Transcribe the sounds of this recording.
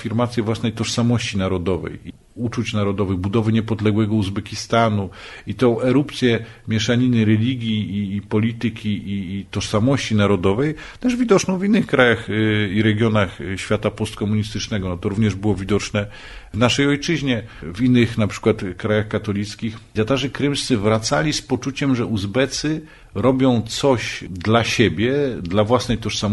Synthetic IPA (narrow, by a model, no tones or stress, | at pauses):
fʲiɾmat̪sʲjɛvwasnɛjt̪ɔʂsamɔɕt͡ɕinaɾɔd̪ɔvɛ̰ji | ut͡ʂut͡ɕnaɾɔd̪ɔvɘɣbud̪ɔvɘɲɛpɔd̪lɛɡwɛɡɔuzbɛkʲist̪anuit̪ɔ̃w̃ʔɛɾupt̪sʲjɛmʲjɛʂaɲinɘɾɛlʲiɡʲjiːpɔlʲit̪ɘkʲiːt̪ɔʂsamɔɕt͡ɕinaɾɔd̪ɔvɛj | t̪ɛʐvʲid̪ɔt͡ʂnɔ̃w̃vʲinːɘxkɾajaxiɾɛɡjɔnaxɕfʲjat̪apɔst̪̚kɔmuɲist̪ɘt͡ʂnɛɡɔnɔt̪ɔɾuvɲɛʐbɘwɔvʲid̪ɔt͡ʂnɛ | vnaʂɛjɔjt͡ʂɘʑɲɛvinːɘxnapʂɘ̥kwat̪kɾajaxkat̪ɔlʲit̪skʲixt̪ʲjat̪aʐɛkɾɘmst̪sɘvɾat̪salʲispɔt͡ʂut͡ɕɛmʐɛʔuzbɛt̪sɘ | ɾɔbʲjɔ̃w̃t̪sɔɕd̪laɕɛbʲjɛd̪lavwasnɛjt̪ɔʂsam